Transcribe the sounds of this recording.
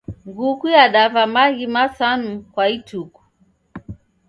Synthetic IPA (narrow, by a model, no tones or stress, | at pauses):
ŋɡukujaɗavamaɣimasanukwaituku̥